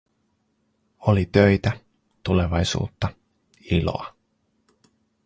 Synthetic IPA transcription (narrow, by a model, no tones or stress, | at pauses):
olit̪øjt̪æ | t̪ule̞ʋɑjsṵːt̪ːɑ | ilo̰ɑ